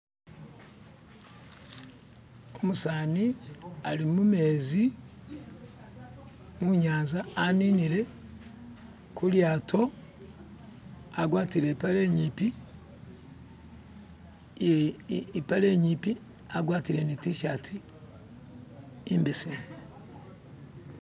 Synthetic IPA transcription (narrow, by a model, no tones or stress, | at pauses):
omusaːnialimumeːzi | muɲaːnzaːniniɾe̞ | kuljaːtʰo̞ | aɡwaːtiɾepaleːɲiːpi | jipaleːɲiːpi | aɡwaːtiɾe̞nitiʃatʰi | mbesimo